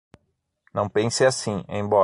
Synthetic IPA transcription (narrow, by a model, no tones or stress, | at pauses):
nɐ̃w̃pẽsɪasĩḛ̃j̃bɔ